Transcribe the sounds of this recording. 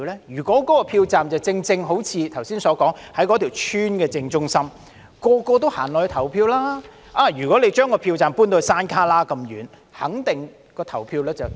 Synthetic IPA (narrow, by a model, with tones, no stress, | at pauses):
lɛː˥jyː˨˩kʷɔː˨˥kɔː˨˥kɔː˧pʰiː˧wt͡saː˨mt͡sɐ˨wt͡sɪ˧ŋt͡sɪ˧ŋɦo˨˥wt͡sʰiː˨˧t̪ʰɐ˨˩wsiː˥nsɔː˨˧˥kɔː˨˥ŋhɐ˨˥jkɔ˨˧˥t̪ʰi˨˩wt͡ʃʰyː˥nkɛː˧t͡sɪ˧ŋt͡sʊ˥ŋsɐ˥m | kɔː˧kɔː˧t̪̬o˥wha̰ː˨˩nlɔː˨˩jt̪ʰɐ˨˩wpʰiː˧wlaː˥ | ʔaː˧jyː˨˩kɔ˨˥le˨˧jt͡ʃœː˥ŋkɔː˧pʰiː˧wt͡saː˨mpuː˥nt̪o˧wsaː˥nkʰaː˥laː˥kɐ˧mjyː˨n | hɐ˨˥ŋt̪ɪ˨ŋ | kɔː˧t̪ʰɐ˨˩wpʰiː˧wlɛː˥t͡sɐ˨